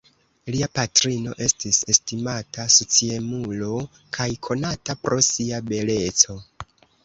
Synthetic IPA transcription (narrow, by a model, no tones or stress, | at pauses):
liapatɾino̞̰ʔe̞stise̞stimatʰasot͡sie̞mulo | kʰajkʰo̞natapɾo̞siabe̞le̞t͡so̞